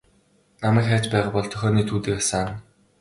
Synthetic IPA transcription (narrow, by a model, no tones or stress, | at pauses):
namæːkχæːt͡ɕpæːʁaːpɔɮt̪ʰœxʲɔːniːt̪ʰuːt̪ɘ̆ːkasaːn